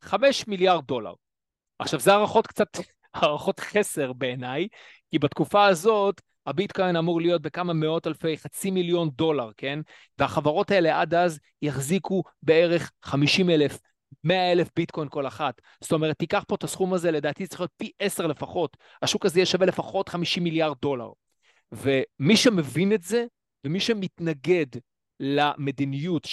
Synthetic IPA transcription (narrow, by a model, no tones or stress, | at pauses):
χame̞ʃmiljaʁd̚dːo̞la̰ʁ | ʔaχʃavzeaʁaχo̞tkt͡sat | haʁaχo̞tχe̞se̞ʁbe̞ːnaj | kibatkufaazo̞t | habitko̞jnamuʁlijo̞t̚be̞kamame̞o̞talfe̞jχat͡similjo̞ndo̞laʁke̞n | veaχavaʁo̞tae̞le̞ʔadaz | jaχziku | be̞eʁe̞χːamiʃimelef | me̞ae̞lefbitkʰo̞jnko̞laχat | z̥t̪o̞me̞ʁ̞et̪ːikaχpo̞t̪asχumazele̞daːt̪izet͡siχjot̪̚piʔeseʁle̞faχo̞t | haʃukazejeʃavele̞faχo̞tχamiʃimiljaʁd̚ːo̞la̰ʁ | vemiʃeme̞vinetze̞ | vemiʃemitnaɡe̞d | lame̞d̪inijut